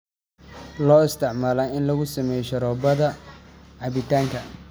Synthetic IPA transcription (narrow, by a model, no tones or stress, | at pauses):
lɔːɪst̪ʰɪʕmaːlaːɪnlɐɣʊsɐmɛjʃɐɾɔːbɐðɐʕɑβɪt̪ʰaːŋkʰɐ